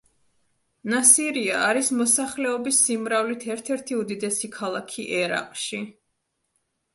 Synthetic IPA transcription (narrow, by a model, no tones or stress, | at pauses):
nasiɾiaːɾismɔsaχlɛɔbisːimɾavlit̪ʰɛɾt̪ʰɛɾt̪ʰiud̪id̪ɛsikʰalˠakʰiʔɛɾa̰qʼʃi